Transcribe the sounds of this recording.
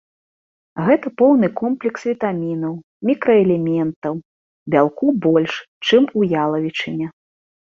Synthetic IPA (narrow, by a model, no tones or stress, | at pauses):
ɣɛt̪ɐpɔwnɨkɔmplʲɛksvʲit̪amʲinɐw | mʲikɾɐɛlʲɛmʲɛnt̪ɐw | bʲalˠkubɔlʲʂ | t͡ʂɨmujalˠɐvʲit͡ʂɨnʲɛ